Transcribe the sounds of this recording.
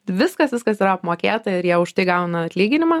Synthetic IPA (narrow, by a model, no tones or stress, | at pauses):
ʋʲɪskɐsʋʲɪskɐsiːɾɐɐpmoːkʲeːt̪ɐɪɾjiɛʊʃt̪ɐɪɡɐʊnɐɐt̪ʲlʲiːɡʲɪnʲɪmɑː